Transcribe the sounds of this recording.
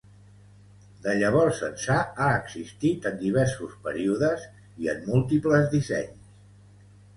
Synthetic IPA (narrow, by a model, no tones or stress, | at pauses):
d̪əʎəβɔrsə̰nsaaəɡzist̪it̪ənd̪iβ̞ɛɾsuspəɾiuðəz | iə̰mːulˠt̪ipləzðisɛ̰ɲs